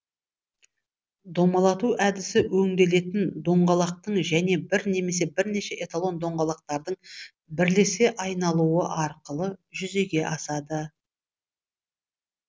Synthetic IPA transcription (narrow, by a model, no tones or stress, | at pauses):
d̪o̞mɑlˠɑt̪uʔæd̪ɪsɪwɵŋd̪e̞le̞t̪ɪnd̪o̞ɴʁɑlˠɑq̚t̪əɴʒæne̞bɪɾne̞me̞se̞bɪɾne̞ʃe̞ʔet̪alˠo̞nd̪o̞ɴʁɑlˠɑq̚t̪ɑɾd̪əɴ | bɪɾle̞se̞ʔɑjnɑlˠuwə̰ʔɑɾqəlˠəʒʏze̞ɡʲe̞ʔɑsɑd̪ə